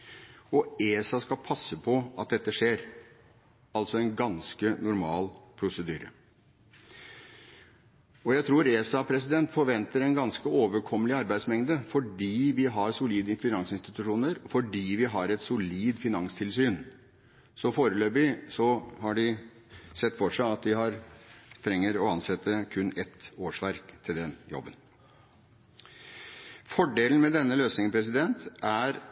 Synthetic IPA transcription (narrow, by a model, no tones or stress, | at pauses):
ɔeːsɑskɑpʰɑsːəpʰɔʔɑt̪̚d̪ɛt̪ːəʂeːɾ | ɑlt̪sɔɛnɡɑnskənʊɾmɑːlpʰɾʊsəd̪y̰ːɾə̰ | ɔjæɪt̪ʰɾuːɾeːsɑpʰɾɛs̬ɪd̪ɛnt̪fɔɾʋɛnt̪əɾɛnɡɑnskəoːʋəɾkʰɔmːəlɪɑɾbæɪd̪smɛŋd̪əfɔɖiːʋɪɦɑɾsʊliːd̪əɪnfɪnɑŋsɪnst̪ɪt̪ʉʂuːnəɾɔfɔɖiːʋɪɦɑɾɛt̪sʊliːd̪fɪnɑŋst̪ʰɪlsyːn | sɔfoːɾəløːbɪsɔhɑɖɪ | sɛt̪ːfɔʂæɪɑt̪̚d̪ɪɦɑɾt̪ʰɾɛŋːəɾɔɑnsɛt̪ːəkʰʉnːɛt̪oːʂʋæɾkt̪ʰɪld̪ɛnjɔ̰bːən | fɔɖeːln̩mɛd̪ɛnːəløːsnɪŋəpʰɾɛs̬ɪd̪ɛnt̪æɾ